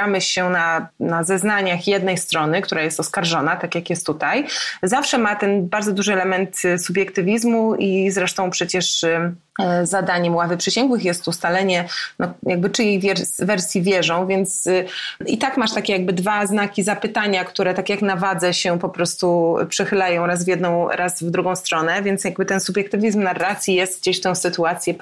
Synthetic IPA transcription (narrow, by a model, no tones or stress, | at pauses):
amɘɕɛnanazɛznaɲaxjɛd̪nɛjst̪ɾɔnɘkt̪uɾajɛst̪ɔskaɾʐɔnat̪akʲjakjɛst̪ːut̪ajzafʂɛmat̪ɛnbaɾd̪zɔd̪uʐɘɛlɛmɛnt̪subʲjɛkt̪ɘvʲizmuʔizɾɛʂt̪ɔ̃w̃pʂɛt͡ɕɛʂ | zad̪aɲɛmwavɘpʂɘɕɛŋɡwɘxjɛst̪ust̪alɛɲɛnɔjaɡ̚bɘt͡ʂɘjejvʲɛɾvɛɾsʲjivʲjɛʐɔ̃w̃vʲjɛnt̪s | it̪akmaʂt̪akʲɛjaɡ̚bɘd̪vaznakʲizapɘt̪aɲakt̪uɾɛt̪akʲjaknavad̪zɛɕɛpɔpɾɔst̪ṵpʂɛxɘlajɔ̃w̃ɾazvʲjɛd̪nɔ̃w̃ɾʔasvd̪ɾuɡɔ̃w̃st̪ɾɔnɛvʲjɛnt̪sjaɡbɘt̪ɛnsubʲjɛk̚t̪ɘvʲizmnarːat̪sʲjijɛst̪ɡ̚d͡ʑeɕft̪ɛ̃w̃sɘt̪uat̪sʲjɛ